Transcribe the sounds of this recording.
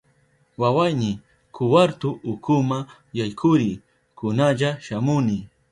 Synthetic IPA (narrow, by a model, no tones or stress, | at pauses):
wawajnɪ | kʰʊwaɾt̪ʊʔːkʰʊma | jajkʰʊɾɪ | kʊnaʎaʃamʊnɪ